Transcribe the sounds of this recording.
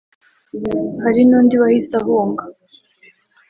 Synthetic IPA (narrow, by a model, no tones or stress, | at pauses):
haɾinoːndiβahisaɦuːŋɡa